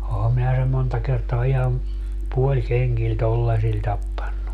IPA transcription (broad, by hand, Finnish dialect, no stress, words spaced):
ohɑm minæ sem̆ montɑ kertoɑ ihɑn puolʲkeŋɡ̊il tolːɑsil tɑpːɑnːu